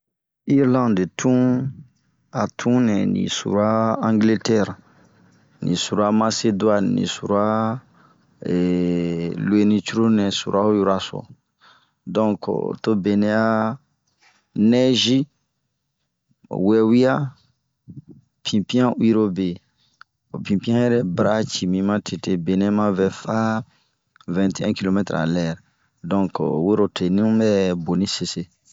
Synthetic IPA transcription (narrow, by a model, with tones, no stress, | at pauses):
i˦ɾlã˦nde˨tʰũ˦ | a˨tʰũ˦nɛ̃˨nḭ̃˨sṵ˨ɾa˦ã˦ŋɡle˦tɛ˦˨ɾ | nḭ̃˨su˨ɾa˦ma˦se˦dwa˦nnḭ̃˨su˨ɾu˦a˦ | ɛ˨ | lwe˦nĩ˧t͡ʃu˦ɾo˦nɛ̃˨su˨ɾa˦u˦ju˦ɾa˨sɔ̰˨ | dɔ̃˦kto˦be˨nɛ˦a˦ | nɛ˦ʒi˦ | wɛ˨wi˦a˦ | pʰĩ˨pi˦ã˦u˦i˦ɾo˦be˨ | o˨pĩ˨pĩ˦ã˦jɛ˦ɾɛ˦bɾa˦t͡ʃi˨mĩ˧mã˦tʰe˨te˨be˨nɛ̃˦mã˦vɛ˨fa˦ | vɛ̃˨nte˦ɛ̃˦ki˦lo˨mɛ˦t̪ɾa̰˨lɛ˨ɾ | dɔ̃˦ŋkwe˦ɾo˨tʰe˨nĩ˦ũ˦mɛ˦bo˨nĩ˦se˨se˨